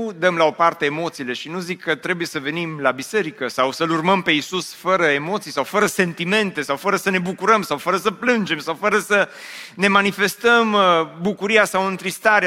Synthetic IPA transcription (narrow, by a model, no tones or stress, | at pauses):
d̪əmlao̞part̪eːmo̞t̪siːle̞ʃinuzikʰːət̪ɾebujesəve̞nimlabise̞ɾikəsawsəlurməmpe̞isusfəɾəemo̞t̪sijsawfəɾəse̞nt̪ime̞nt̪e̞sawfəɾəsəne̞bukuɾəmsawfəɾəsəplɨnd͡ʒe̞msawfəɾəsə | ne̞manife̞st̪əmbukuɾijasawɨnt̪ɾist̪aɾe